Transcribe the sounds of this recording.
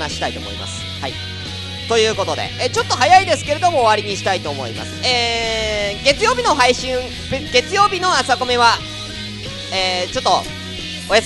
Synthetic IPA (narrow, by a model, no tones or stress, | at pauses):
naɕi̥t̪ait̪o̰mo̰ḭma̰sɨ̥ha̰i | t̪o̞jɯ̟ːko̞t̪o̞d̪e̞̰et͡ɕo̞t̪ːo̞ɦajaid̪e̞sɨ̥keɾe̞d̪o̞mo̞ːβaɾʲiɲ̟iɕi̥t̪ait̪o̞ːmo̞̰ḭma̰sɨ̥eː | ɡe̞t͡sɨjo̞ːbʲino̞ɦaiɕĩŋ | ɡe̞t͡sɨjo̞ːbʲino̞asako̞mʲeβa | eːt͡ɕo̞t̪ːo̞ | oja